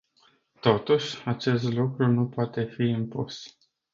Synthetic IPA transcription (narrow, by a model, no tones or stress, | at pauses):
t̪o̞t̪uʃʲat͡ʃe̞st̪lukɾunupoat̪e̞fiimpus